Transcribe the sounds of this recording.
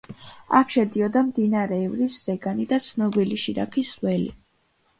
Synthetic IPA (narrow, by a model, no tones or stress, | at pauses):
akʰʃɛd̪iɔd̪amd̪inaɾɛːvɾiszɛɡanid̪at̪sʰnɔbiliʃiɾa̰kʰiswɛlḭ